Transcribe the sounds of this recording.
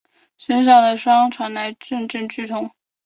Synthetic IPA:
ʂə˧˥nɕ̬ɑ˨˩ʊd̪ə˦ʂwɑ˥ŋʈ͡ʂʰwa˧˥nla˧˥ɪʈ͡ʂə˥˧nʈ͡ʂə˥˧nt͡ɕy˥˩t̪ʰʊ˧˥ŋ

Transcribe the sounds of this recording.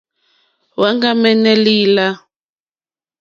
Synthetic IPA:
wa˦ŋɡa˦mɛ˦nɛ˦liː˦la˦

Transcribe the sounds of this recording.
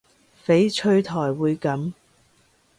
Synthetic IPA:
fe˨˥jt͡ʃʰɵ˧ɥt̪ʰɔː˨˩jwuː˨˧jkɐ˨˥m

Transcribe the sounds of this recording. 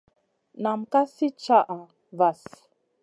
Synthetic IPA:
na˨m̩˨ka˦si˦t͡ʃa˦ʔa˨ | va˨s

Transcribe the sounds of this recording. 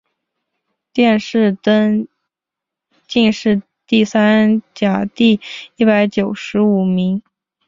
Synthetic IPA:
t̪jɛ˥˧nʂɻ̩˥˧t̪ə˥n | t͡ɕi˥˧nʂɻ̩˥˧ | t̪i˥˩sa˥nt͡ɕja˨˩t̪i˥˧i˥˩pa˧˥ɪt͡ɕjo˨˩ʊʂɻ̩˧˥u˨˩mi˧˥ŋ

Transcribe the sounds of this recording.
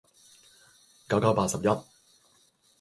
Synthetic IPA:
kɐ˨˥wkɐ˨˥wpaː˧t̚sɐ˨p̚jɐ˥t̚

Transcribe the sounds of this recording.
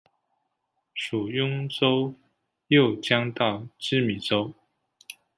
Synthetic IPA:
ʂu˨˩jʊ˥ŋʈ͡ʂo˥˦ʊ | jo˥˨ʊt͡ɕjɑ˥ŋt̪ɑ˥˨ʊʈ͡ʂɻ̩˥mi˨˩ʈ͡ʂo˦˥ʊ

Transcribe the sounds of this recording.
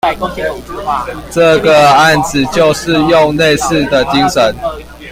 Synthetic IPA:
ʈ͡ʂə˥˩ɡə˨a˥˨nd͡zɹ̩˨˩t͡ɕjo˥˧ʊʂɻ̩˥˧jʊ˥˧ŋne˥˧ɪsɹ̩˥˨d̪ə˨t͡ɕi˦˥ŋʂə˨˦n

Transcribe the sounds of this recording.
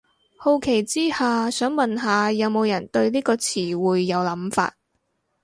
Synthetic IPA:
ho˧wkʰe˨˩jt͡siː˥haː˨˩sœː˨˥ŋmɐ˨nɦaː˨˧jɐ˨˧wmo˨˧wjɐ˨˩nt̪ɵ˧ɥliː˥kɔː˧t͡sʰiː˨˩wuː˨jːɐ˨˧wlɐ˨˥mfa̰ː˧t̚

